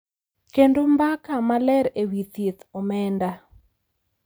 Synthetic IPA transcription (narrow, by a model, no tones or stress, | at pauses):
kendombakamalɛɾewit̪it̪ɔmɛnda